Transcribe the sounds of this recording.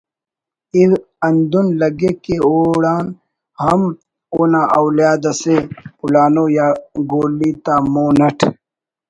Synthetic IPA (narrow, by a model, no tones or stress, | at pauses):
iɾ | ɐnd̪unlɐɡekeoːɽaːn | hɐm | oːnaʔɐwljaːd̪ɐseulaːnoːjaːɡoːlit̪aːmoːnɐʈʰ